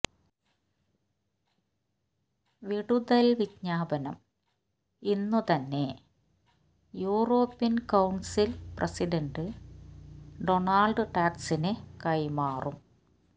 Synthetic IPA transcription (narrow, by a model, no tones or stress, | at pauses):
ʋiɽuðɐlʋidɲaːbɐnɐm | inːut̪ɐnːe̞ | juːro̞ːpːjɐnkɐwɳsilprʔɐsiɖɐɳɖɨ | ɖo̞ɳaːlɖɨʈaːksinekɐjmaːrʔum